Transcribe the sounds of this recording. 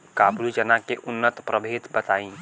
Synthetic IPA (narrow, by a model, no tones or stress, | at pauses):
kaːblid͡ʒənakeʔʊnːət̪pɾəbʱeːt̪bət̪aːĩ